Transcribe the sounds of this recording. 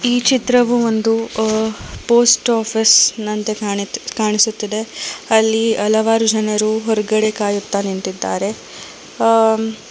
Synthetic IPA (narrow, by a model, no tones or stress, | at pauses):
iːt͡ʃit̪ɾɐʋuond̪u | poːsʈaːpʰisnɐnt̪ekaːɳisut̪ːid̪e̞ɐlːiɐlɐʋaːɾud͡ʒɐnɐɾuɦɔɾɐɡɐɽekaːjut̪ːɐniɳtid̪ːaːɾe̞